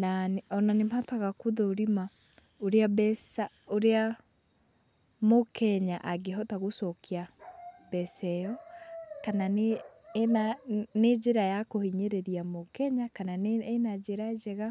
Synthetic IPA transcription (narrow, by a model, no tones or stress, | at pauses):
nanɔnanematwaɣakoðooɾima | oɾeabɛsaoɾea | mokʰɛɲaʔaɡeɦɔtaɣosɔkʰeabɛsɛjɔkanane | aned͡ʒeɾajakohiɲeɾeɾiamokɛɲakanaenad͡ʑeɾaed͡ʒɛɣa